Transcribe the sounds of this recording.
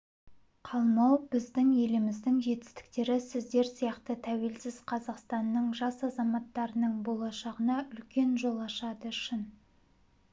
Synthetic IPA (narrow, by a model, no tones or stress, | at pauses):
qʰɑlˠmɑwbɪzd̪ɪŋje̞lɪmɪzd̪ɪŋʒe̞t̪ɪ̥st̪ɪ̥k̚t̪e̞ɾɪsɪzd̪e̞ɾsijɑqt̪ət̪ʰæwelsɪzqʰɑzɑqst̪ɑnːəɴʒɑsɑzɑmɑt̪ːɑɾənəɴbo̞lˠɑʃɑʁənɑʔʏlkʲe̞nʒo̞lˠɑʃɑd̪əʏʃɪn